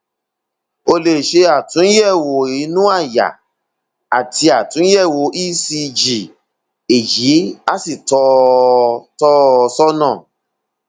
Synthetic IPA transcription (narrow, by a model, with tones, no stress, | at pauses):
o˧le˧˨ʃe˧˦a˦˨tũ˨˦jɛ˦˨wo˨i˨˦nũ˦a˦˨ja̰˨ | a˨tʰi˧˦a˨tũ˨˦jɛ˦˨wo˨ʔi˦si˧d͡ʒi˨ | e˨ji˨˦a˦si˦˨tɔ˧˦ | tɔ˦˧sɔ˦nãː˦˨